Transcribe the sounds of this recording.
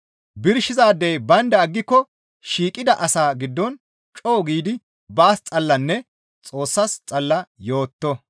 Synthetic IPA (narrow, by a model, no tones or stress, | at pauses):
bɪɾʃɪzaːd̪ejbɐnd̪ɐːɡːɪkːɔ | ʃiːkʼɪd̪ɐʔɐsaːɡɪd̪ːɔn | t͡ʃʼoːɡiːd̪ɪ | baːst͡sʼɐlːɐnːɛ | t͡sʼo̞ːsːɐst͡sʼɐlːɐjo̞ːt̪ːɔ